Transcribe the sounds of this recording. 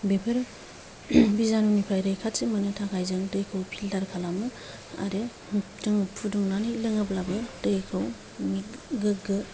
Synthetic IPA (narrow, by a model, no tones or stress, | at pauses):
bepʰɯɾ | bizanunipʰajɾɯjkʰatsimɯnɯtʰakʰajzɯŋdɯjkʰɯwpʰildaɾkʰalamɯ | a̰ɾɯ | tɯŋpʰuduŋnanɯjlɯŋɯplabɯdɯjkʰɯw | miɡɯɡɯ